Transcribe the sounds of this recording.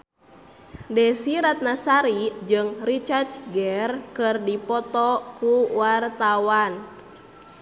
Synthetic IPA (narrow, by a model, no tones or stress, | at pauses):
dɛsiɾat̪̚nasaɾid͡ʒɨŋrit͡ʃart͡ʃɡɛrkɨrdipɔt̪ɔkuwart̪awan